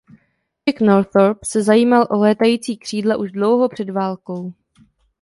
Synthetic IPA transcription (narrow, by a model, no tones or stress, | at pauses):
ɪknoɾθoɾpsɛzajiːmalʔolɛːt̪ajiːt͡siːkr̝̥iːdlɛʔuʒdlo̞wɦo̞pr̝̥ɛdvaːlko̞w